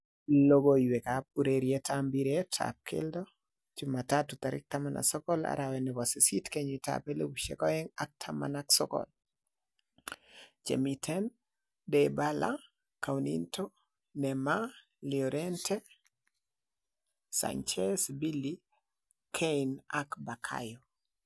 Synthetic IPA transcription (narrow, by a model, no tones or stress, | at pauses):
loɡoiwekap̚uɾeɾjetʰambiɾetʰa̰p̚kʰḛldɔ | d͡ʒʊmatatut̪aɾɪ̰k̚tamanʔa̰sɔkɔla̰ɾʔawɛnɛwɔsisitkeɲita̰pelewuʃḛkɔɛŋak̚tʰama̰naksɔkɔ̰l | d͡ʒḛmitʰɛn | debala̰ | kawnḭntʰo | nɛma | liɔɾɛntʰɛ | sa̰nt͡ʃɛsbili | kʰeinakbakʰa̰jɔ